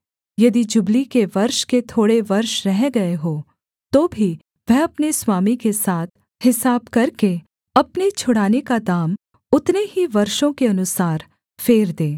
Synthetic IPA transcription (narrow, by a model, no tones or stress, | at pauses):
jɐd̪id͡ʒʊblikeʋɐɾʃket̪ʰoːɽeʋɐɾʃɾɛɦɡɐeɦoː | t̪oːbʱi | ʋɛɦɐpneswaːmikesaːt̪ʰ | hɪsaːbkɐɾke | ɐpnet͡ʃʰʊɽaːnekad̪aːm | ʊt̪neɦiʋɐɾʃõkeɐnʊsaːɾ | feːɾd̪ẽː